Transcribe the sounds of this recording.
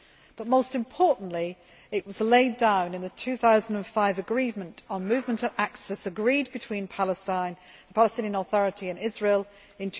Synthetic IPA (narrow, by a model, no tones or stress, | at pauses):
b̥ʌt̚moʊstɨ̃mpʰɔɹʔn̩ʔli | ɪʔwɒzleɪdãʊ̃nɨ̃nðɨtʰʉːθaʊzn̩də̃nfaɪvəɡɹivmə̃ntn̩mʉvmə̃ntəvʔak̚tsɨsəɡɹiːd̚bɨtʰw̥ĩnpʰalˠəstãɪ̃n | pʰaləstɪ̃njə̃nəθɔɹɨtiɨ̃nɪzɹiːlˠ | ɪ̃ntʰ